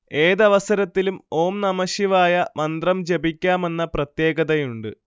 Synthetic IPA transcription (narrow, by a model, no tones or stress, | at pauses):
e̞ːðɐʋɐsɐɾɐt̪ːilumo̞ːmnɐmɐɕjɐʋaːjɐmɐnd̪rɐmt͡ɕe̞bikʲːaːme̞nːɐprɐt̪je̞ːɡɐðɐjuɳɖɨ